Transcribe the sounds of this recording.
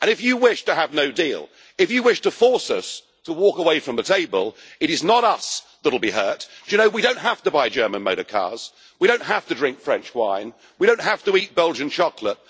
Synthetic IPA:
ɨ̃ñɨfjɨwɪʃtɨːvnoʊdḭlˠ | ɨfjɨwɪʃtəfɔɹsʌ̰s | tʰəwɔkəweɪfɹʌ̃mðɨtʰeɪbə̰lˠ | ɨɾɨznəɾʌs | ðəɾl̩ˠbiɦɜ˞tjɨnoʊwiɾõʊ̃nt̚ɦæftɨbaɪd͡ʒɜ˞mɨ̃nmoʊɾəkʰɑ̰ɹz̥ | wiɾõʊ̃n̚ɦæftɨdɹɪ̃ŋkfɹɛ̃nt͡ʃwã̰ɪ̃n | wiɾõʊ̃nt̚ɦæftəit̚b̥ɛlˠd͡ʒɨ̃nt͡ʃʰɑklə̰t̚

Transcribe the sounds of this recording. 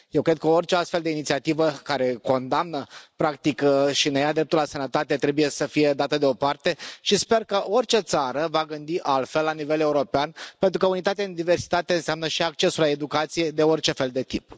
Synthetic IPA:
jewkɾed̪̚kəort͡ʃeast̪fe̞ld̪einit̪siat̪ivəkaɾe̞ko̞nd̪amnəpɾak̚t̪ikʃinejad̪ɾe̞p̚t̪ulasənət̪at̪e̞t̪ɾe̞buje̞səfije̞d̪at̪əd̪eo̞part̪e̞ʃispe̞rkəʔo̞rʲt͡ʃe̞t̪saɾəvaɡɨnd̪iʔalt̪fe̞lːanive̞le̞uɾo̞peanpent̪ɾukəunit̪at̪eaind̪ive̞rsi̥t̪at̪e̞ɨnseamnəʃiak̚t͡ʃe̞sulae̞d̪ukat̪sije̞d̪e̞o̞rt͡ʃe̞fe̞ld̪e̞t̪ip̚

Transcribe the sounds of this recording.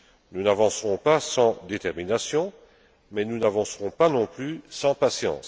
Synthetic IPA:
nunavɑ̃səʁɔ̃pasɑ̃d̪et̪ɛʁminasjɔ̃ | mɛnunavɑ̃sʁɔ̃panɔ̃plysɑ̃pasjɑ̰̃s

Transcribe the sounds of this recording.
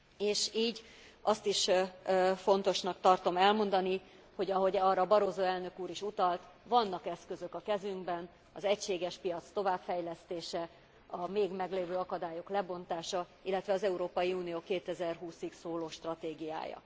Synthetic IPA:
eːʃiːɟ | ʔɒst̪iʃ | fo̞n̪t̪o̞ʃnɒkt̪ɒrt̪o̞mɛlmo̞nd̪ɒni | ho̞ɟɒɦo̞ɟɒrːɒbɒɾoːzoːɛlnø̞kuːɾiʃut̪ɒlt̪ | ʋɒnːɒkɛskø̞zø̞kɒkɛzyŋɡbɛn | ɒzɛcʃeːɡɛʃpijɒt̪st̪o̞vaːpfɛjlɛst̪eːʃɛ | ɒmeːɡmɛɡleːvøːɒkɒd̪aːjoklɛbo̞nt̪aːʃɒ | ilːɛt̪ʋɛɒzɛuɾoːpɒjiuːnijoːkeːt̪ɛzɛrɦuːsiksoːloːʃt̪rɒt̪eːɡija̰ːjɒ̰

